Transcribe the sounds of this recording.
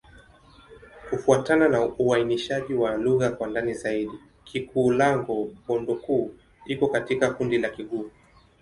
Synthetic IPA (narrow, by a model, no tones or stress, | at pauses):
kufuatananauainiʃaʄiwaluɣakwandanizaiɗi | kʰikuːlaŋɡuɓɔndɔkuː | ikɔkatikakundilakiɠuː